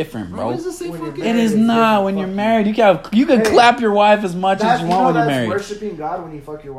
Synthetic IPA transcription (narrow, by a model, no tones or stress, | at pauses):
ɪfɹɨ̰̃nb̥o̰ʊɪɾɪznət̚wɨ̃njə˞mɛɹidjɨkɨjɨkɨ̃dkʰl̥æpjə˞waɪfɨzmʌt͡ʃɨzjɨwɑ̃nʔwə̃njə˞mɛɹḭd